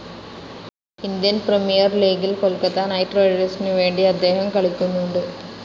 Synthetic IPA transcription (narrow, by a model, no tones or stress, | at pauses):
ɪnd̪ijɐnpɾɛmijɐɾleːɡɪlkɔlkːɐt̪ːaːnɐɪʈɾoːɖesniʋeːɳɖiɐd̪ːeːɣɐmkɐɭɪkːɯnːuɳɖɯ